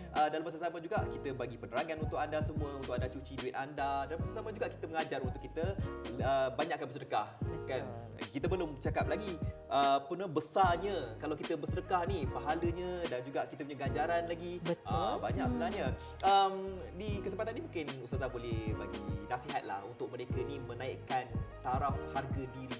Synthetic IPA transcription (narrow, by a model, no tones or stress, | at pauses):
ʔədalampas̬asamad͡ʒuɡaʔkit̪əbaɡipənəɾaŋanunt̪ʊkandasəmũəunt̪ʊk̚andat͡ʃut͡ʃiduɪt̪andadalampasasamad͡ʒuɡaʔki̥t̪əməŋad͡ʒaɾunt̪ʊkːit̪əəbaɲaʔkːanbəsədəkahkan | kit̪əbərlʊmt͡ʃakap̚laɡiʔəpənəbəsaɲəkalawkit̪əbəsəɾəkahnipaɦaləɲədand͡ʒuɡaʔkit̪əp̬uɲaɡaɲd͡ʒaɾanlaɡibəbaɲaksəbənaɲa | ʔəm | dikəsəmpat̪anːimũŋkɪnust̪azabolɛhbaɡinasiɦat̪̚la̰hunt̪ʊk̚məɾekənimə̃naiʔkant̪aɾafharɡədiɾi